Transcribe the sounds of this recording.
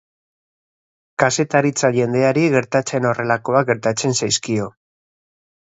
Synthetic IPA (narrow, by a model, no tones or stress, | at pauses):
kase̞t̪aɾit͡saʝe̞nd̪e̞aɾiɣe̞ɾt̪at͡se̞no̞re̞lako̞ak̚ɡe̞ɾt̪at͡se̞nsajskio̞